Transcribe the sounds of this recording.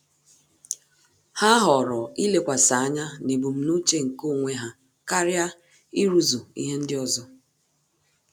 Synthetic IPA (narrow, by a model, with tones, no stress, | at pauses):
ha˦ɦɔ˨ɾɔ˨i˦le˨kʷa˨sa˨˦ɲa˦ne˨bu˨m̩˨˦nu˦t͡ʃe˦ŋ̩˨ko˦˨ŋʷe˦ɦa˦ | ka˦ɾja˦ | i˦ɾu˦zu˨ḭ˦ɦe˦n̩˦dɪ˦ɔ˦zɔ˦